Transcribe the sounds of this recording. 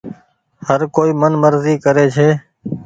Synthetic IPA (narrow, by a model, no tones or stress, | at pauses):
həɾkoːiːmənməɾziːkəɾeːt͡ʃʰeː